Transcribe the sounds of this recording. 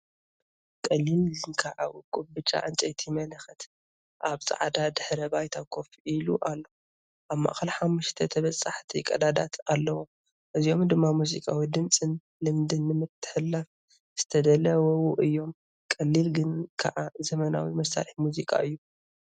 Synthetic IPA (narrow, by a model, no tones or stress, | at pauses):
kʼɐlːilzɨnkʰɐʕawkʼubɨt͡ʃʼa̰ʔɨnt͡ʃʼɐjt̪ʰimɐlɐxɐt̪ | ʔaβsʼa̰ʕd̪ad̪ɨħɾɐbajt̪ʰakʰo̞filuʔalːo | ʔaβmːa̰ʔxɐlħamːuʃt̪ʰɐt̪ʰɐβɐsʼaħt̪ʰikʼɐd̪ad̪a̰t̪ʰalːɐwom | ʔɨzijo̞md̪ɨmːamuzḭkʼawid̪ɨmsʼɨn | lɨmd̪ɨnːɨmɨt̪ʰːɨ̥ħɨlːaf | z̥ɨt̪ʰɐd̪ɐlɐwowuʔɨjːo̞m | kʼɐlːilɡɨnkʰɐ̰ʕazɐmɐna̰wimɐsa̰lħimuzikʼa̰ʔɨjːu